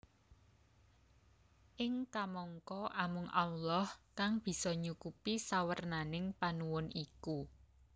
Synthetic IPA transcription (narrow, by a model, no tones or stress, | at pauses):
ʔɪŋkamɔŋkɔʔamʊŋʔauwlɔhkaŋb̥i̤sɔɲukupisawərnanɪŋpanuwʊnʔiku